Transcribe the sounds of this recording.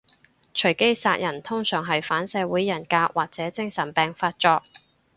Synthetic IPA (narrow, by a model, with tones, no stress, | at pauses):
t͡ʃʰɵ˨˩ɥke˥jsaː˧k̚jɐ˨˩nt̪ʰʊ˥ŋsœː˨˩ŋɦɐ˨jfaː˨˥nsɛː˨˧wuː˨˥jːɐ˨˩nkaː˧k̚waː˨k̚t͡sɛː˨˥t͡sɪ˥ŋsɐ˨˩npɛː˨ŋfaː˧t̚t͡ʃɔː˧k̚